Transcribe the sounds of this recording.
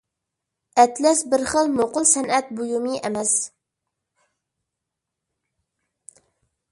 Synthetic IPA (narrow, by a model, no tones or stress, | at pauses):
ɛt̪lɛsbɪɾχəlˠmoqʊlˠsɛnɛt̪̚bujumɨʔɛmɛs